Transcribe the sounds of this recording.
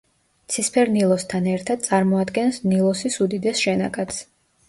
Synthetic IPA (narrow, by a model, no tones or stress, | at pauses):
t̪sʰispʰɛɾnilˠɔst̪ʰanɛɾt̪ʰad̪̚t̪sʼaɾmɔad̪ɡɛnsnilˠɔsisud̪id̪ɛsʃɛna̰kʼat̪sʰ